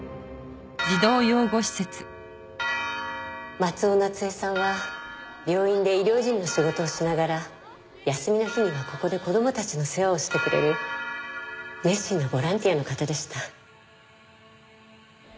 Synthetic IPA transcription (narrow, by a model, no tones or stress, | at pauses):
d͡ʑid̪o̞ːjoːɡo̞ɕi̥set͡sɨ̥ | mat͡sɨo̞nat͡sɨe̞sãɰ̃βa | bʲjo̞ːĩnd̪e̞iɾʲo̞ːʑĩnːo̞ɕiɡo̞t̪o̞ːɕinaɡaɾa | jasɨmʲinaçiɲʲiβako̞ko̞d̪e̞ko̞d̪o̞mo̞t̪at͡ɕino̞se̞βao̞ɕi̥t̪e̞kɯ̟ɾe̞̰ɾɯ̟ | ne̞ɕĩnːo̞bo̞ɾãnt̪ʲiano̞kat̪ad̪e̞ɕi̥t̪a